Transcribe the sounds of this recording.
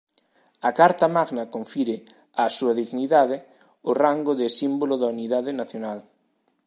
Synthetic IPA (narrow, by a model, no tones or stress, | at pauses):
akaɾt̪amaɣnakoɱfiɾɪ | asuaðiɣniðaðɪ | ʊraŋɡʊðɪsimbolʊðauniðaðɪnaθjonal